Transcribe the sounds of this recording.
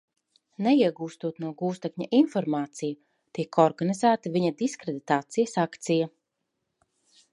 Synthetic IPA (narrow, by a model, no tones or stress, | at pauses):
neiɛɡuːst̪uɔt̪nuɔɡuːst̪ɛkɲaʔinfɔɾmaːt̪sija | t̪iɛkɔɾɡanizæːt̪aviɲad̪iskɾed̪it̪aːt̪sijasakt̪sija